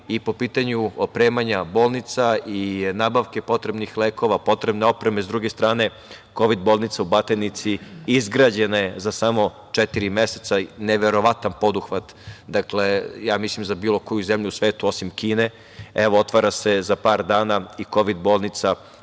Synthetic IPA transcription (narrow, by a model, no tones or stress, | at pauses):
ipo̞piːt̪aɲuopɾe̞ːmaɲabo̞ːlˠnit̪sainaːbaʋke̞po̞t̪ɾebnixleːko̞ʋapo̞t̪ɾe̞bne̞o̞pɾe̞mezd̪ɾuɡest̪ɾaːne̞ | ko̞ʋid̪bolˠnit̪saubat̪enit̪siizɡɾad͡ʑe̞nezasamo̞ | t͡ʃet̪iɾimjeset̪saneʋe̞ɾo̞ʋat̪anpo̞d̪uxʋat̪d̪akle̞jaːmislimzabiːlo̞ko̞juzemʎusʋe̞ːt̪uo̞simkiːne̞ | eʋoot̪ʋaɾase̞zapaːɾd̪aːnaiko̞ʋid̪bo̞ːlˠnit̪sa